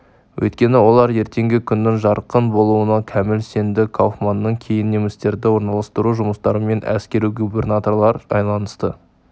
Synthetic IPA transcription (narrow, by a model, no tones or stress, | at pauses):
wʔɵ̰jt̪kʲe̞nɪwo̞lˠɑɾje̞ɾt̪e̞ŋɡʲɪkʲʰʏnːɪŋʒɑɾqənbo̞lˠuənɑkʲʰæmɪlse̞nd̪ɪkʰowfmɑnːəɴkʲʰe̞jɪnːemɪst̪e̞ɾd̪ɪwo̞ɾnɑlˠɑst̪əɾuʒʊməst̪ɑɾəme̞nʔæ̰skʲe̞ɾijɡubʲe̞rnat̪o̞rlˠɑɾɑ̰jlˠɑnəst̪ə